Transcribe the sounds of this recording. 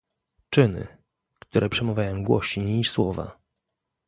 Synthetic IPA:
t͡ʂɘnɘ̰ | kt̪uɾʔɛpʂɛmɔvʲajɔ̃w̃ɡwɔɕiiswɔva̰

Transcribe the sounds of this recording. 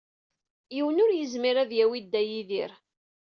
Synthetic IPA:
jiwənʊɾjəzmiɾæðjæwid̪ːæjiðiɾ

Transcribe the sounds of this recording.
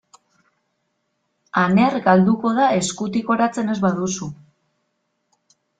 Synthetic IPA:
ane̞ɾɡald̪uko̞ð̞ae̞skut̪iko̞ɾat͡se̞ne̞zβaðusu

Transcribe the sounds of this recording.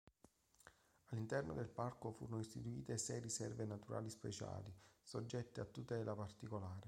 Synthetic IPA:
alːint̪ɛrno̰d̪elparkofuːɾonoist̪it̪uiːt̪esɛjrisɛrvenat̪uɾʔa̰ːlispḛt͡ʃa̰ːlisod͡ʒːɛt̪ːeat̪ːut̪ɛːlapart̪ikolaːɾe

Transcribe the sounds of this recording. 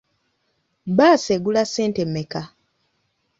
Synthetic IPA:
baːseɡulaseːntemːeka

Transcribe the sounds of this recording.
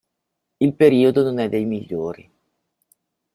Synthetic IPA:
ilpeɾiːod̪ononɛd̪ːejmiʎːoːɾḭ

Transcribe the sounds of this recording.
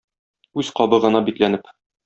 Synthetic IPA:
ʉz̥qɒbɤʁɤ̆nɑbit̪lænɘp

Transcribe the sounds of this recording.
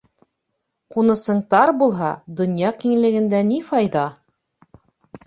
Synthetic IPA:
qunɤ̆sɤɴt̪ɑɾbulˠɦɑd̪ŏnjɑqiŋɘ̆lɘ̆ɡɘ̆nd̪ænifɑjðɑ

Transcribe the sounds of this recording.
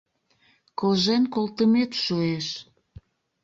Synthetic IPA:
koʒenkolt̪əmet̪ʃueʃ

